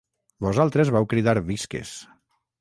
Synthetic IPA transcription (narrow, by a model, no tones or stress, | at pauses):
bozalˠt̪ɾezβawkɾiðaɾβiskḛs